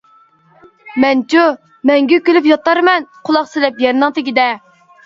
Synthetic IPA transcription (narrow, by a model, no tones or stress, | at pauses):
mɛnt͡ʃʰu | mɛŋɡʲykʲylyp̬jɑt̪ɑɾmɛnqʰʊlˠɑqsɪlɛpjɛɾnɨŋt̪ɪɡʲid̪ɛ